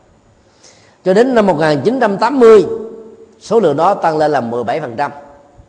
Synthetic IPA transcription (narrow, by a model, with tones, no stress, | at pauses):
t͡ɕɔ˧ɗe˨˦nːa˧mːo˨˩t̚ŋaː˨˩nt͡ɕi˨˦nt͡ɕa˧mt̪aː˨˦mːɨ˧əj | so˨˦lɨ̰˧˨əŋɗɔ˨˦t̪a˧ŋle˧nlaː˨˩mɨ˨˩əjɓa˧˩jfə˨˩nt͡ɕa˧m